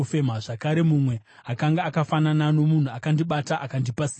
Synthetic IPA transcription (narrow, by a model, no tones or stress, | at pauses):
ufemaʐakaɾe̞mumwe̞ | akaŋɡaːkafananano̞mun̤uakandiɓataʔakandipasiː